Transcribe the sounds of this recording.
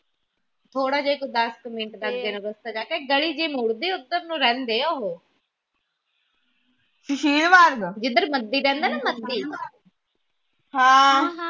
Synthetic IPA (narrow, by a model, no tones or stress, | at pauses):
t̪ʰoːɽaːd͡ʒeːkod̪əskəmẽɳʈd̪akd̪eːnəʋəst̪aːd͡ʒaːkeːɡəɭiːd͡ʒeːmʊɽd̪eːʊd̪əɾnũːɾɛ̃ːnd̪eːoːɦoː | ʃɪʃiːlʋaɾɡd͡ʒɪd̪əɾməd̪ːiːɾɛ̃ːnd̪aːnəməd̪ːiː | hãː